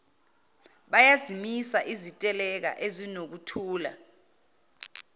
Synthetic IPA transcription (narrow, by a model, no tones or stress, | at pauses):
ɓajazimisaʔizitʼɛlɛk̬a̰ʔezinok̬utʰuːla̰